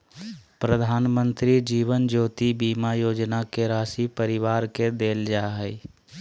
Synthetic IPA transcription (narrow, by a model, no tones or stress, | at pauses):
pɾəd̪ʱaːnmə̃nt̪ɾid͡ʒiːʋənd͡ʒoːt̪ibiːmajoːd͡ʒnakeɾaːsipəɾɪʋaːɾked̪eːld͡ʒaɦɛi